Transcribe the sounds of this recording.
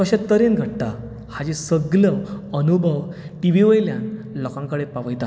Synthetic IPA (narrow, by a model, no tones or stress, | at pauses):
kəɕat̪ːəɾenɡʱəɽt̪a | had͡ʑesəɡləənubʱəʋ | ʈiʋiʋəjljãnlɔkãŋkəɽepaʋəjt̪a